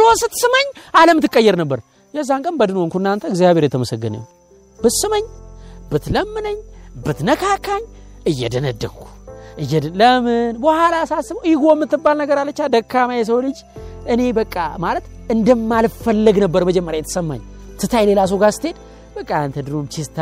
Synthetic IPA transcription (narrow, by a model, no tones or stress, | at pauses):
losɨt̪ːsɨməɲːaləmɨt̪ːɨkʼːəjːɛɾnəbːəɾ | jɛzːaŋkʼənbəd̪ɨnoŋkʰuɨnːant̪ʰəɨɡzijaβʱheɾjɛt̪ʰəməsəɡːɨnə̰ | bɨsɨməɲːbɨt̪ləmːɨnəɲːbɨt̪nəkʰakʰːaɲɨjːɛd̪ənəd̪ːəŋkʰu̥ʔɨjːɛləmɨnbəhalasasːɨbəwjɪɡomːɨt̪ːɨbːalnəɡəɾalːət͡ʃːad̪əkʰːamajɛs̬əwlɨd͡ʒ | ʔɨne̞bəkʼːamalət̪ | ɨnd̪əmːalfəlːɨɡnəbːəɾməd͡ʒɛmːəɾjajɛt̪ə̥səmːa̰ɲ | sɨt̪ʰajle̞las̬oɡast̪ʰe̞d̪ | bəkʼːaant̪ʰəd̪ɨɾomt͡ʃʰist̪ʰ